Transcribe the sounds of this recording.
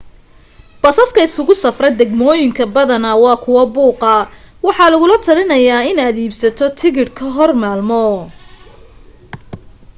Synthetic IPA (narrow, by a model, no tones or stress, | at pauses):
b̥ɐsɐskʰɐɪsʊɣʊsɐfrɛd̪ɛɡmɔːjɪŋkʰɐbɐðɐnɐwɑːkʰʊwɐbuːqɐwɑħɑlɐɣʊlɐt̪ʰɐlɪnɐjaːɪnaːd̪iːbsɐt̪ʰɔt̪ʰɪɣɪrkʰɐɦɔrmaːlmɔ